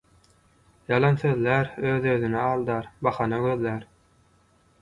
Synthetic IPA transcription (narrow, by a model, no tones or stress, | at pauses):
jɑlˠɑnθøðlʲæɾøːðøːðynɛɑːlˠd̪ɑːɾbɑχɑnɑɡøðːæɾ